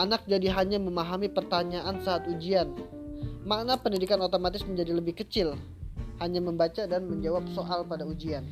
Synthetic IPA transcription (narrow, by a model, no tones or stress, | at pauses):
anak̚d͡ʒadiɦaɲaməmaɦamipərt̪aɲaʔansaːt̪ud͡ʒian | maʔnapəndidikanot̪omat̪ɪsməɲd͡ʒadiləbɪhkət͡ʃɪl | haɲaməmbat͡ʃadanməɲd͡ʒawap̚soʔalpadaud͡ʒian